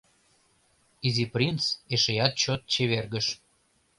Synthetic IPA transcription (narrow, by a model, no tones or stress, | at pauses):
iziprʲint͡seʃejɑt̪̚t͡ɕot̪̚t͡ɕeβerɣəʃ